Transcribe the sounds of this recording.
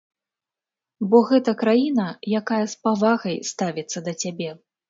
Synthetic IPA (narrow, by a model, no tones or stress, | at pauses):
bɔɣɛt̪ɐkɾajinɐjakajɐspavaɣɐjst̪avʲit̪sːɐd̪ɐt͡sʲabʲɛ